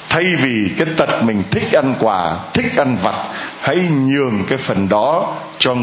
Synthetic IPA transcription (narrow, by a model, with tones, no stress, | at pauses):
t̪ʰa˧jvi˨˩kaː˨˦jt̪ə˨˩t̚mï˨˩ŋ̟t̪ʰï˦˥k̚ʔa˧nkwaː˨˩t̪ʰï˦˥k̟̚ʔa˧nva˨˩t̚ha̰˧˥jɲɨ˨˩əŋkaː˨˦jfə˨˩nɗɔ˨˦ | t͡ɕɔ˧